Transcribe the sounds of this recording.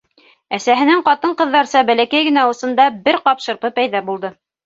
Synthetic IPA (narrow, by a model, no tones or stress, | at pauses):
æsæɦɘ̆nɘŋqɑt̪ɤɴqɤ̆ðːɑɾsɑbælækæjɡɘ̆næɤ̆sɤ̆nd̪ɑbɘɾqɑpʃɤ̆ɾʁɤpæjðɑbulˠd̪ɤ